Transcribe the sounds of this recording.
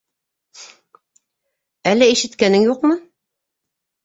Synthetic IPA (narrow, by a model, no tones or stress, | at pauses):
ælːæiʃɘ̆t̪kænɘŋjuqmɤ